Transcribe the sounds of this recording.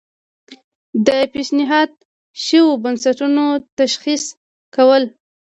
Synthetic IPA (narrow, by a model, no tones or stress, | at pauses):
d̪əpeʃnɪɦɑd̪̚ | ʃəwobansaʈunot̪aʃxis | kawəl